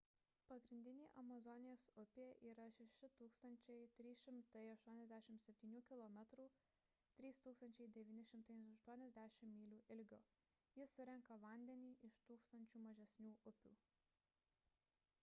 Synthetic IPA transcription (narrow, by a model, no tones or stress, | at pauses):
pɐɡɾʲɪnʲd̪ʲɪnʲeːʔɐmɐzɔnʲɪjoːsʊpʲeːʔiːɾɐʃʲɛʃʲɪt̪uːkst̪ɐnʲt͡ʃʲɛɪt̪ʲɾʲiːsʃʲɪmt̪ɐɪɐʃt̪uɔnʲɛzd̪ʲæːʃʲɪmsʲɛpʲt̪ʲiːnʲuːkʲɪlˠɔmʲɛt̪ɾuː | t̪ʲɾʲiːst̪uːkst̪ɐnʲt͡ʃʲɛɪd̪ʲɛʋʲiːnʲɪʃʲɪmt̪ɐɪɐʃt̪uɔnʲɛzʲd̪ʲæːʃʲɪmːʲiːlʲuːʔɪlʲɡʲoː | jɪsʊɾʲɛŋkɐʋɐˑnʲd̪ʲɛnʲiːʔɪʃt̪uːkst̪ɐnʲt͡ʃʲuːmɐʒʲɛsʲnʲuːʔʊpʲṵː